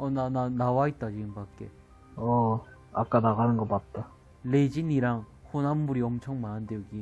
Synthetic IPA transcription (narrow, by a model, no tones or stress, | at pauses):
ʌnananawait̚t͈ad͡ʑiɡɯmbak͈e̞ | ʌ | ak͈anaɣanɯnɡʌk͈at̚t͈a | le̞d͡ʑiniɾaŋ | ɸʰonamːuɾiʌmt͡ɕʰʌŋmanɯndejʌɡi